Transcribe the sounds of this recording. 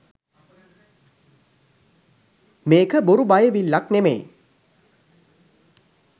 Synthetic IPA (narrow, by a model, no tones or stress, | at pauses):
meːkəboɾubajəʋilːaknemḛj